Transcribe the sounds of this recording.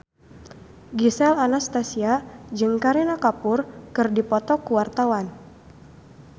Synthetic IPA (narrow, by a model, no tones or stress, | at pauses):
ɡisɛlanast̪asiad͡ʒɨŋkaɾinakapʊrkɨrdipɔt̪ɔkuwart̪awan